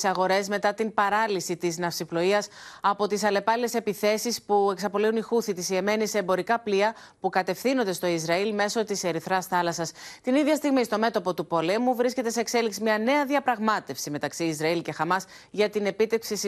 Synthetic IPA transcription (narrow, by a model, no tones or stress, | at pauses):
sɐɣo̞ɾe̞zme̞t̪ɐt̪impɐɾɐlisit̪iznɐfsiplo̞iɐsɐpo̞t̪isɐle̞pɐlile̞se̞piθe̞sispue̞ksɐpo̞liunixuθit̪isie̞me̞niseːmbo̞ɾikɐpliɐ | pukɐt̪e̞fθino̞nd̪est̪o̞izɾɐilme̞so̞t̪ise̞ɾiθɾɐsθɐlɐsɐst̪iniðʝɐst̪iɣmist̪o̞me̞t̪o̞po̞t̪upo̞le̞muvɾisce̞t̪e̞se̞ːkse̞liksimɲɐne̞ɐðiɐpɾɐɣmɐt̪e̞fsime̞t̪ɐksiːzɾɐilce̞xɐmɐs | ʝɐt̪ine̞pit̪e̞kpsis